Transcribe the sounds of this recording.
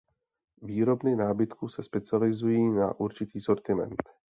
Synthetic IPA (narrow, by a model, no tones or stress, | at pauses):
viːɾo̞bnɪnaːbɪt̪kuːsɛspɛt͡sɪalɪzujiːna̰ʔuɾt͡ʃɪt̪iːso̞ɾt̪ɪmɛ̰nt̪